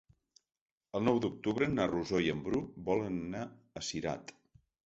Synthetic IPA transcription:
əlˠnɔwd̪uk̚t̪uβɾənəruzoiəmbɾubɔlənna | əsiɾa̰t̪

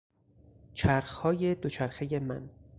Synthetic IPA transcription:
t͡ʃʰæɾxhɒːje̞d̪ot͡ʃʰæɾxeje̞mæ̰n

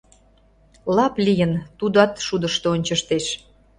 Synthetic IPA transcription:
lɑplʲijənt̪ud̪ɑt̪ʃud̪əʃt̪oonʲt͡ɕəʃt̪eʃ

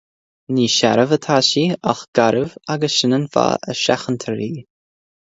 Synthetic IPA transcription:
niːʃa̰ɾəvət̪ʰaːʃiaxɡ̥aɾəvaɡəsʃɪnənfa̰ʔə̰ʃa̰xənt̪ʰəɾiː

